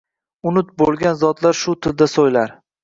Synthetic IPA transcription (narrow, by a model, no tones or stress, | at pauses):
ʊnʊt̪̚bolˠɡʲanzɒt̪laɾʃʊt̪ʰɪld̪asojlaɾ